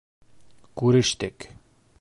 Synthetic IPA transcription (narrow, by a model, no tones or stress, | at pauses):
kʉɾɘ̆ʃt̪ɘk